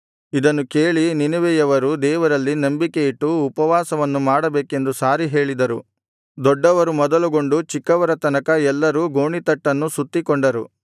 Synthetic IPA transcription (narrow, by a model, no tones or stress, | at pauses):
id̪ɐnːukeːɭininuʋɛjɐʋɐɾud̪ɛːʋɐɾɐlːinɐmbikeiʈːuːpɐʋaːsɐʋɐnːumaːɽɐbeːke̞nd̪usaːɾiɦe̞ːɭid̪ɐɾu | d̪ɔɖːɐʋɐɾumɔd̪ɐluɡo̞ɳɖut͡ʃikːɐʋɐɾɐt̪ɐnɐkɐɛlːɐɾuːɡoːɳit̪ɐʈːɐnːusut̪ːikɔɳɖɐɾṵ